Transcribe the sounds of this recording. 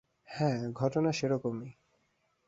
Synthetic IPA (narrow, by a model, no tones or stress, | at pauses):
hɛ̃ɡʱɔʈonaʃeɾokomi